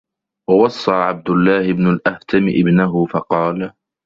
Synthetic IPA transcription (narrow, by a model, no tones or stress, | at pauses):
wɑwɑsˤːɑːʕab̚d̪ʊlːaːhɪbnʊlʔaht̪ʰamɪʔɪbnaɦʊfɑqɑːl